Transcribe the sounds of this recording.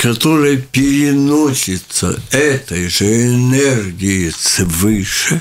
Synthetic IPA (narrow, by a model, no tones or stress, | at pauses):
kɐt̪oɾɐjpʲɪɾʲɪnosʲɪt̪sɐ̰ɛt̪ɐjʐɛɛnɛrɡʲɪjɪsvɨʂɛ